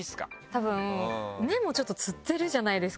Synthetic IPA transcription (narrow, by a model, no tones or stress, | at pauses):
isɨ̥ka̰t̪abɯ̟̃ne̞mo̞ːt͡ɕo̞t̪ːo̞t͡sɨt̪ːe̞ɾɯ̟ʑanaid̪e̞sɨ̥